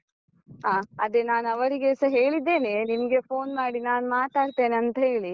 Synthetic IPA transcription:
ɦaːɐd̪enaːnɐʋɐɾiɡesɐɦe̞ːɭid̪ːe̞ːnenimɐɡe̞pʰoːnmaːɽinaːnmaːt̪aːɽt̪e̞ːnɐnt̪ɐɦe̞ːɭi

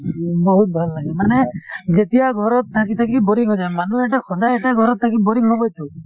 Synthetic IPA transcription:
bɔɦut̪̚bʱalːaɡɛmaned͡ʒet̪ijaɡʱɔɾɔt̪ʰːakit̪ʰakibɔɾiŋɦɔd͡ʒajmanueʈakʰɔd̪ajeʈeɡʱɔɾɔt̪ʰːakibɔɾiŋɦɔɡɔjt͡ʃʰu

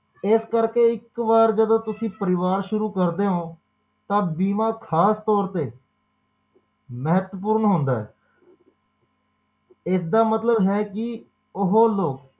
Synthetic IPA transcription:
ɪskəɾkeːɪkʋaːɾd͡ʒəd̪oːt̪ʊsĩːpəɾɪʋaːɾʃʊɾuːkəɾd̪eːɦõː | t̪ãːbiːmãːkʰaːst̪ɔːɾt̪eː | məɦət̪wəpuːɾnɦõːnd̪aːɦɛ̰ː | ɪsd̪aːmət̪ləbɦɛːkɪ | ʊɦoːloːk

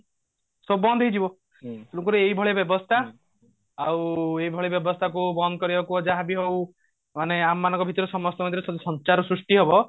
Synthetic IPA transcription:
sɔbɔnd̪ʱɦejd͡ʒʱibɔ | t̪unuŋkuɾeeibʱɔɭebjɔbɔst̪ʰa | aweibʱɔɭebjɔbɔst̪ʰakubɔnd̪ɔkɔɾibakuɔd͡ʒaɦabiɦow | maneamɔːanɔ̃ŋkɔbʱit̪ɔɾesɔmɔst̪ɔkãd̪ɾesɔd̪sɔnt͡ʃaɾɔsɾusʈiɦebɔ

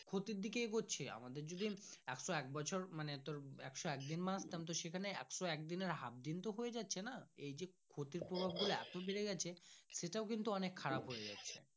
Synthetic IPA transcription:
kʰot̪iɾd̪ʱikeɡotːɕʰea̰mad̪eɾd͡ʑod̪ʱiɛkʃɔɛk̚bɔt͡ɕʰoɾmanet̪oɾɛ̰kʃɔɛk̚d̪inmãst̪ɛmt̪̬oʃekʰaneɛ̰kʃoɛk̚d̪ineɾɦa̰b̚d̪int̪oɦoed͡ʑatːɕʰenaejd͡ʑekʰot̪iɾpɾobʱab̚ɡuloɛ̰t̪obeɾeɡɛt͡ɕʰeʃeʈaokint̪uɔnekʰːaɾapɦoed͡ʑa̰tːɕʰḛ

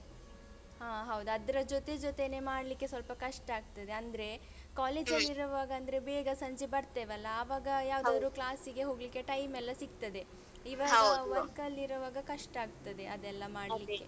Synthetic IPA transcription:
haːɦɐwd̪uɐd̪ɐɾɐd͡ʒot̪e̞d͡ʒot̪enemaːɽlikːesʋɐlpɐkɐʂʈɐaːɡ̚t̪ɐd̪e̞ɐnd̪ɾe̞ | kaːleːd͡ʒɐlːiɾɐʋaːɡɐɐnd̪ɐɾe̞beːɡɐsɐɲd͡ʒibɐɾt̪eːʋɛlːɐːʋaːɡɐjaːʋd̪aːd̪ɾuːklaːsiɡe̞ɦo̞ːɡlikːe̞ʈɐjmɛlːɐsiɡt̪ɐd̪e̞ | iʋaːɡɐʋɐɾkɐlːiɾɐʋaːɡɐkɐʂʈaːɡ̚t̪ɐd̪eʔɐd̪ɛlːɐmaːɽliːe

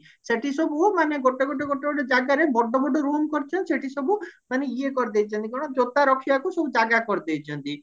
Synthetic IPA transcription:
seʈisɔbumaneɡɔʈɔɡɔʈ̬eɡɔʈeɔɽed͡ʒaɡaɾebɔɖɔbɔɖɔɾomkɔɾt͡ʃʰɔnt̪iseʈisɔbumaneiekɔɾd̪ejt͡ʃʰɔnt̪ikɔɾɔɽ̃ɔ̃d͡ʒot̪aɾɔkʰiakusɔbud͡ʒaɡakɔɾd̪ejt͡ʃʰɔnt̪i

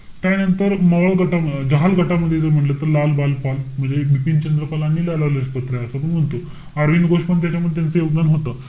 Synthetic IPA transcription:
t̪janənt̪əɾməʋalɡəʈad͡ʑəɦalɡʱəʈaməd̪ʱːjed͡zəɾm̤əʈlət̪əɾlalbalpalm̤əɳd͡zebipint͡ɕənd̪ɾəpəlanːiːlalaləɕpət̪ɾaəsəp̬əɳm̤əɳt̪o | aɾʋinɡoʂpəɳt̪jat͡ɕjamud̪ʱjet̪jant͡səjoɡd̪anɦot̪əː

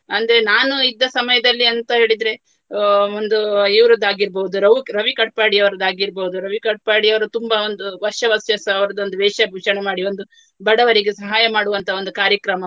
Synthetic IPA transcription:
ɐnd̪ɐɾenaːnuid̪ːɐsɐmɐjɐd̪ɐlːiɐnt̪ɐɦe̞ːɭid̪ɾe̞ | ond̪uiʋɾɐd̪aːɡiɾbɐɦud̪uɾɐʋuɾɐʋikɐʈ̚paːɽiɐʋɐɾɐd̪aːɡiɾbɐud̪uɾɐʋikɐʈ̚paːɽiɐʋɐɾut̪umbɐo̞nd̪uʋɐʃjɐʋɐsjɐsɐɐʋɐɾɐd̪ond̪uʋɛːʂɐbʱiʂɐɳemaːɽio̞nd̪u | bɐɽɐʋɐɾiɡesɐɦaːjɐmaːɽuʋɐnt̪ʰɐo̞nd̪ukaːɾjɐkɾɐmɐ

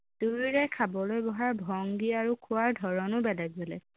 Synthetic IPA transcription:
duɹiɹɛkʰabɔlojbɔɦaɹbʱɔŋɡiaɹukʰʊwaɹdʱɔɹɔnʊbɛlɛɡzolɛ̰

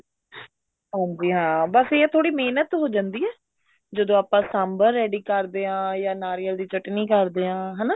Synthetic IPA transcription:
ɦãːɲd͡ʒiːɦãːbəset̪ʰoːɽiːmeːnət̪ɦoːd͡ʒãːnd̪iːɛː | d͡ʒəd̪õːaːpãːsaːmbəɾːɛːɖiːkəɾd̪eːãːjãːnaːɾiːəld̪iːt͡ʃəʈniːkəɾd̪eːãːɦɛnaː

